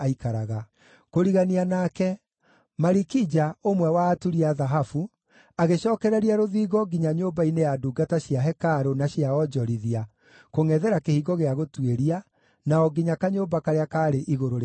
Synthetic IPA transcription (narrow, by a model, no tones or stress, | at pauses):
aikaɾaɣa | koɾiɣanianakɛ | maɾikid͡ʑaomwɛwaːtuɾiaðaɦafu | aɣeɕɔːkɛɾɛɾiaɾoðiːɣɔɡiɲaɲoːbainejaduːɡataɕjaɦɛkaɾonaɕiaɔd͡ʒɔɾiðia | koŋɛðɛɾakehiːɡɔɣeaɣotweɾia | naɔɡiɲakaɲoːbakaɾeakaːɾeʔiɣoɾoɾ